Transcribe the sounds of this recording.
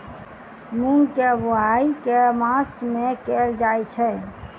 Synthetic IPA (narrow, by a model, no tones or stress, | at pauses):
muŋkeboaikemasmekeld͡ʒajt͡ʃʰɛ